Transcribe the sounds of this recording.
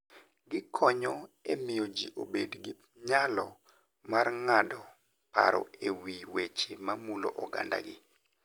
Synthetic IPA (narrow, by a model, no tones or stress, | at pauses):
ɡɪkʰɔɲɔemɪjod͡ʒiʔobedɡɪ | ɲalɔ | marŋadɔ | pa̰ɾɔ̰ewiwet͡ʃemamulo̰ʔɔɡa̰nda̰ɡɪ